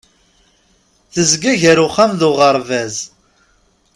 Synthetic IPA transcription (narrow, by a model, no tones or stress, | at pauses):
θəzɡæʝəɾʊχːæmðʊʁəɾˤvæz